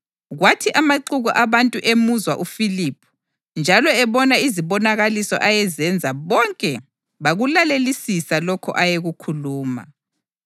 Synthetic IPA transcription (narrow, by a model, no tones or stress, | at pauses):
ɣwatʰiʔamaǃuɣuʔaβantʼuʔemuzwa̰ʔufilipʰu̥ | nd͡ʒʱalɔɛβɔnaiziβɔnaɣalisɔ̰ʔajɛzɛnd͡zʱaβɔŋkʼɛ | βaɣulalelisisalɔkʰɔ̰ʔajeɣukʰuluːma̰